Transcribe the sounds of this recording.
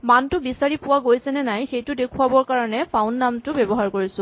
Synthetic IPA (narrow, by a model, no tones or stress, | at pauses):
mantʊbisaɹipʊwaɡojsɛnɛnajxejtʊdekʰuabɔɹkaɹɔnɛpʰaʊnːamtʊbebɔɦaɹkoɹisʊ̃